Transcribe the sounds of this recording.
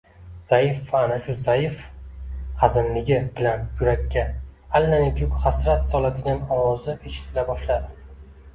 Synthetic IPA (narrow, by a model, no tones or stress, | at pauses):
z̥ajɪfvaːnaʃʊzajɪf | χazɪnlɪɡʲɪb̥ɪlanjʊɾakʲʰːaː | lːanɪkʲʰʊkʲχasɾat̪sɒlad̪ɪɡʲanɒwɒzɪeʃɪ̥t̪ʰɪlabɒʃlad̪ɪ